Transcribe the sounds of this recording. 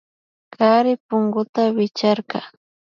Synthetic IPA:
kaɾɪpʊŋɡʊt̪awɪt͡ʃaɾkɑ̰

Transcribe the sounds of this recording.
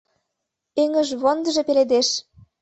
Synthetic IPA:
eŋə̆ʒβond̪ə̆ʒĕpeled̪eʃ

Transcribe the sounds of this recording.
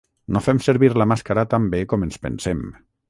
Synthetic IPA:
nofɛmsəɾβiɾlamaskaɾat̪ambekɔmənspə̰nsɛm

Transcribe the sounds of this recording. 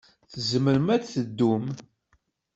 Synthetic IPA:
θəzəməɾəmædθəd̪ːum

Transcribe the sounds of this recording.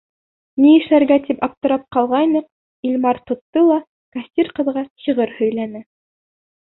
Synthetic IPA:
niɘ̆ʃlæɾɡæt̪ipɑp̚t̪ɤ̆ɾɑp̚qɑlˠʁɑjnɤq̚ | ilʲmɑɾt̪ŏt̪ːɤlˠɑ | kasʲt̪ʲiɾqɤ̆ðʁɑɕiʁɤɾhɵ̆jlænɘ

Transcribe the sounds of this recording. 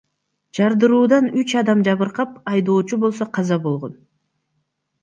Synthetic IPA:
d͡ʒɑɾd̪ɯɾuːd̪ɑnyt͡ʃɑd̪ɑmd͡ʒɑβɯɾqɑpɑjd̪o̞ːt͡ʃubo̞lˠso̞qʰɑzɑbo̞lˠʁo̞n

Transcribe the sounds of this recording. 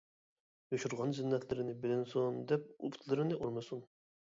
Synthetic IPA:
joʃuɾʁɑnzɪnːɛt̪ʰlɪɾɪnɪbɪd̪ɪnsond̪ɛp̚ṵpʰt̪ʰlˠɨɾɪnɪʔoɾmɨsun

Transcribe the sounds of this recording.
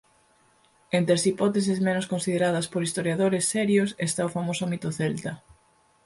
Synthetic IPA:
ent̪ɾasipɔt̪es̬ezmenʊskonsiðeɾað̞ɐspoɾist̪oɾjaðoɾesːɛɾjosest̪aofamosomit̪oθelt̪ɐ

